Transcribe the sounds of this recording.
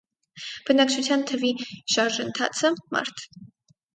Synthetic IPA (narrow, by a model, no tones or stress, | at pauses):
b̥ənɑk̚t͡ʃʰut͡sʰjɑnt̪ʰəviʃɑɾʒənt̪ʰɑ̰t͡sʰəmɑ̰ɾt̪ʰ